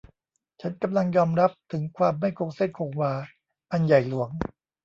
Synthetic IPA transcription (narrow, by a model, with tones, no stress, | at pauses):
t͡ɕʰa˦˥nka˧mla˧ŋjɔː˧mɾa˦˥p̚t̪ʰɯ˩˦ŋkʰwaː˧mːa˥˩jkʰo˧ŋse˥˩kʰo˧ŋwaː˧ | ʔa˧nja˨˩jlu˩˦əŋ